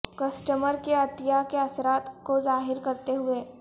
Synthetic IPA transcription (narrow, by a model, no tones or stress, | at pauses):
kɐsʈəməɾkeɐt̪ɪjakeɐsɾaːt̪kozaːɦɪɾkɐɾt̪eɦʊeː